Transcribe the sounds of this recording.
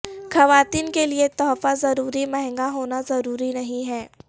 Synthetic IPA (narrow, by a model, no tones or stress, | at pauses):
xɐʋaːt̪iːnkeliet̪ɔːfazɐɾuːɾimɛɦɛ̃ŋɡaɦoːnazɐɾuːɾinɐɦĩɦɛː